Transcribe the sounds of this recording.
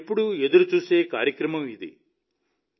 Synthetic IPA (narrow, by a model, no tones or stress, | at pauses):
pːuɽued̪uɾut͡ʃuːseːkaːɾjɐkɾɐmɐmid̪ḭ